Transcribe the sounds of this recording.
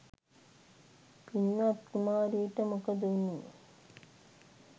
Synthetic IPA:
pinːat̪̚kumaːɾiːʈəmukɐd̪uunːi

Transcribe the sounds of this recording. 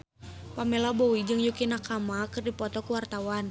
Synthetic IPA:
pamɛlabɔwid͡ʒɨŋjukinakamakɨrdipɔt̪ɔkuwart̪awan

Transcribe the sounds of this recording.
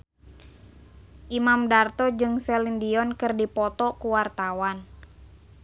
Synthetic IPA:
ʔimamdart̪ɔd͡ʒɨŋsɛlindiɔnkɨrdipɔt̪ɔkuwart̪awan

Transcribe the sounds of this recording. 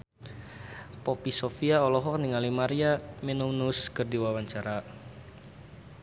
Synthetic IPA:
pɔpisofiaɔlɔɦɔk̚niŋalimaɾiaminunuskɨrdiwawaɲt͡ʃaɾa

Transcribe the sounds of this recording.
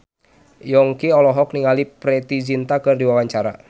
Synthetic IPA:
jɔŋkiɔlɔɦɔkniŋalipɾɛt̪id͡ʒint̪akɨrdiwawaɲt͡ʃaɾa̰

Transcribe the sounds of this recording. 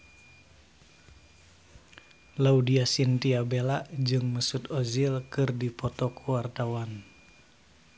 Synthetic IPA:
laudiasint̪iabelaʔd͡ʒɨŋməsut̪ozilkɨrdipɔt̪ɔkuwart̪awan

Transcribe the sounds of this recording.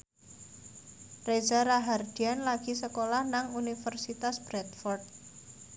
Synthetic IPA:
rezaɾaɦard̪̥ianlaɡ̥i̤səkolahnaŋunifərsit̪asb̥ɾɛt̪̚fɔrd̪̚

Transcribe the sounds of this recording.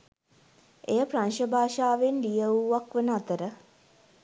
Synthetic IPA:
ejəpranʃəbʱaːʃaːʋenlijəuʋakʋənəat̪əɾə

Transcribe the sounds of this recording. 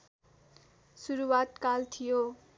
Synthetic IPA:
suɾuwat̪kalt̪ʰijo

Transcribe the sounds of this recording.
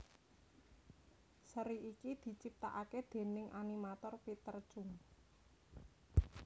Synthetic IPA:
səɾiikid̪̥i̤t͡ʃip̚t̪a̰ʔaked̪̥e̤nɪŋʔanimat̪ɔrpit̪ərt͡ʃʊŋ

